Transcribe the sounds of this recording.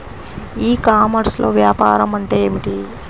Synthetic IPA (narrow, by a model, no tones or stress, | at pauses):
iːkaːmɐɾslʔo̞̰ːʋjaːpa̰ːɾɐmɐɳʈeːeːmiʈi